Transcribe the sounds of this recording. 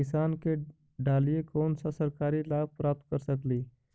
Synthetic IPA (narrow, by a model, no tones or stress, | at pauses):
ɪsaːnke | ɖaːliekoːnsasəɾkaːɾilaːb̚pɾaːp̚t̪̚kəɾsəkliː